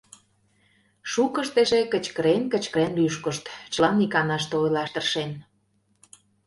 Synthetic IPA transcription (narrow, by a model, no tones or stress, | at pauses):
ʃukəʃt̪eʒekə̆t͡ɕkəɾenkə̆t͡ɕkəɾenlyʃkə̆ʃt̪t͡ɕəlɑnikɑnɑʃ̬t̪eojlɑʃt̪ə̆rʃen